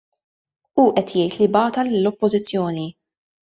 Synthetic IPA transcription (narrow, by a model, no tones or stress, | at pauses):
uːʔɛt̪jɛjt̪libɐːt̪ɐlɪlːɔpːɔzɪt͡sːjɔːni